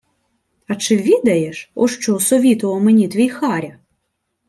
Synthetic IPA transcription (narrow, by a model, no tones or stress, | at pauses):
at͡ʂɨvʲid̪ɐjɛʂɔ̰ʂt͡ʃɔsɔvʲit̪ɔɔmɛnʲit̪ʋʲijxaɾʲɐ